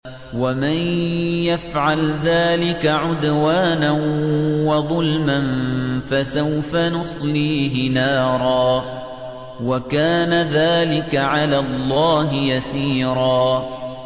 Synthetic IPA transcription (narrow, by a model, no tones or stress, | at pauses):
wamanjafʕalðaːlɪkaʕʊd̪waːnanwɑðˤʊlmanfasawfanʊsˤliːɦɪnaːɾˤɑː | wakaːnaðaːlɪkaʕalaːlˤːɑːɦɪjasiːɾˤɑː